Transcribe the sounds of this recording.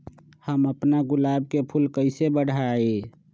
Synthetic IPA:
həməpnaɡʊlab̚kepʰulkəɪsebəɽ̤ʱae

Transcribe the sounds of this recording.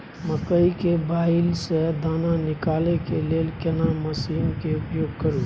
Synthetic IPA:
məkəikebailsed̪ananikalekelelkenaməsimkeupjoɡ̚kəɾu

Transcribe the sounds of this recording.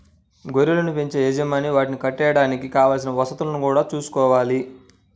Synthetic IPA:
ɡoɾilɐnupeɲt͡ʃeːɛːd͡ʒɐmaːniʋaːʈinikɐʈːɛːjɐɽaːnikikaːʋaːls̬inɐʋɐsɐt̪ulɐnukuːɽaːt͡ʃuːsu̥kɔːʋaːli

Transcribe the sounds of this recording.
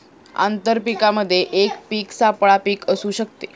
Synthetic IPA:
a̰nt̪əɾpikaməd̪ʱːjeʔekpiːksapɭapiːkəsuːɕək̚t̪e

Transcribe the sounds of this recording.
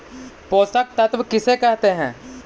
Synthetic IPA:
poːsək̚t̪ɐt̪ʋkɪsekɛɦt̪eɦɛ̃ː

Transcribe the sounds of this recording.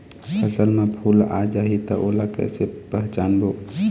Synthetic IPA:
pəsəlmẽpʰuːla̰ːd͡ʒaːɦit̪əʔoːlakɛ̰ːsepəɦt͡ʃaːnboː

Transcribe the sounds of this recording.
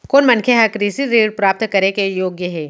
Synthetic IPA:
koːnmɐnkʰeɦakɾiːsiɾeːɽpɾaːp̚t̪kɐɾekejoːɡjəɦɛː

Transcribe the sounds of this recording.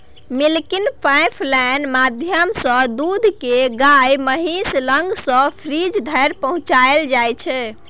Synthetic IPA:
milkinpajpʰlɛnmad̪ʱjəmsə̃d̪ud̪ʱkeɡajməɦisləŋɡsə̃pʰɾid͡ʒd̪ʱəjɾpəɦũt͡ʃaeld͡ʒajt͡ʃʰɛ

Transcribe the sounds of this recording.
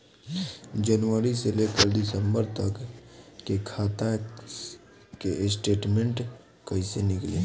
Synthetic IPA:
d͡ʒənʋəɾiselekəɾd̪ɪsə̃mbəɾt̪əkkekʰaːt̪a | keɪsʈeːʈmẽɳʈ | kəɦĩsenɪkleː

